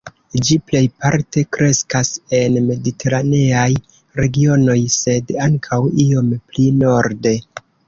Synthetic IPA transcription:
d͡ʒiple̞jpaɾte̞kɾe̞skase̞nme̞ditʰe̞ɾane̞aj | ɾe̞ɡio̞no̞jse̞daŋkʰawio̞mplino̞ɾde̞

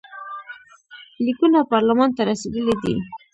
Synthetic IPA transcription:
likunapɑɾlamɑnt̪aɾased̪əlid̪ḭ

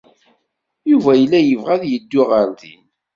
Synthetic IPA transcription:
juvæjəlːæjəvʁæðjəd̪ːʊʁəɾðḭn

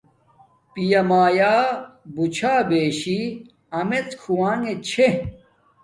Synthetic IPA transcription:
pijɐmaːjaːbut͡ɕʰaːbeːɕi | ɐmet͡skʰuwaːŋɡet͡ɕʰe

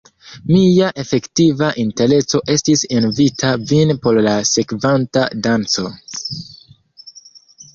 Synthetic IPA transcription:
mijaʔe̞fe̞ktivaʔinte̞ɾe̞t͡so̞ʔe̞stisenvitʰavinpo̞ɾlase̞kvantadant͡so̞

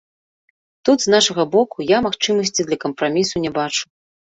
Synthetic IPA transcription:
t̪ud̪znaʂɐɣɐbɔkujamaxt͡ʂɨmɐsʲt͡sʲid̪lʲɐkɐmpɾamʲisunʲɛbat͡ʂu̥

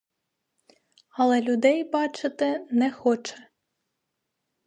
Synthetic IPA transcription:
ɐlˠɛlʲʊd̪ɛjbɑt͡ʃɪt̪ɪnɛxɔt͡ʃɛ̥

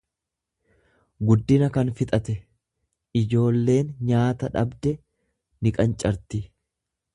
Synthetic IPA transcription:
ɡʊd̪ːɪnɐkɐnfɪt̪ʼɐt̪ɛ | ɪd͡ʒo̞ːlːe̞ːnɲaːt̪ɐᶑɐbd̪ɛ | nɪkʼɐnt͡ʃʼɐɾt̪ɪ

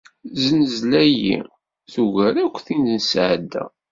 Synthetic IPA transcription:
zənəzlæjḭ | θuʝæɾækʷːθinnsʕd̪ːæ̰

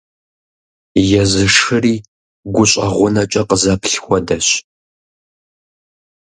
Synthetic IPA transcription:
jɛzɨʂɨriː | ɡʷʊɕʼɐʁʷʊnɐt͡ʃʼɐqəzɐpʰɬxʷɔdɐɕ

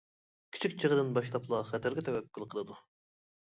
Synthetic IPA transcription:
kʲʰi̥t͡ʃʰikʲt͡ʃʰəʁəd̪ɨnbɑʃlˠɑplˠɑχɛt̪ʰæɾɡʲɛt̪ʰɛwɛkʲːylˠqʰəlˠɨd̪u

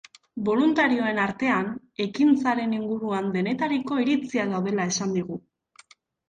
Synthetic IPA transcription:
bo̞lunt̪aɾio̞e̞naɾt̪e̞an | e̞kint͡saɾe̞niŋɡuɾuand̪e̞ne̞t̪aɾiko̞iɾit͡siaðawð̞e̞lae̞sand̪iɣ̞u

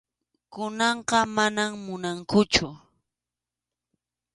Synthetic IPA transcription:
kʊnɑɴqɑmanammʊnaŋkʊt͡ʃʊ

